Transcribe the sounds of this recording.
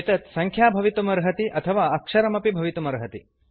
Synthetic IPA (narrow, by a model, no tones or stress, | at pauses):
t̪ɐt̪sɐŋkʰjaːbʱɐʋit̪umɐɾɦɐt̪iʔɐt̪ʰɐʋaːɐkʂɐɾɐmɐpibʱɐʋit̪umɐɾɦɐt̪i